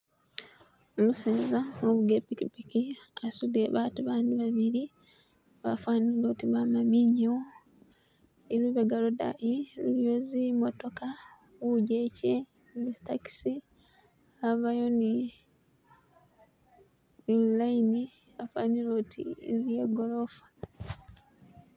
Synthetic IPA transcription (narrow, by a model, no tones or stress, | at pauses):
omuseːzaoβuɡepikipikiasudeβatuβaːndiβaβiɾi | βafwaːniloːtiβamamiɲeo | iɾwiːβaɡaloda̰ʔiluɾjozimoto̞ka | βuɟece | nistaki̥si | aβajoni | ilaini | βafwaːnilotʰḭljeɡolofḁ